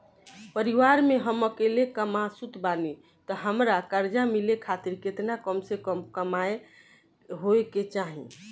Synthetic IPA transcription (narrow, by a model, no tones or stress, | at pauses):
pəɾiʋaɾmeɦəməkelekəmasut̪bani | t̪ɔɦəmɾakəɾd͡ʒamilekʰat̪iɾket̪nakəmsekəmkəmae | ɦoeket͡ʃaɦḭ̃